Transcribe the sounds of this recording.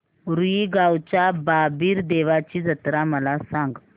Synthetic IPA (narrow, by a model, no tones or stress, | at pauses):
ɾuiɡawt͡ɕababiːɾd̪eʋat͡ɕiːd͡zət̪ɾaməlasaŋɡ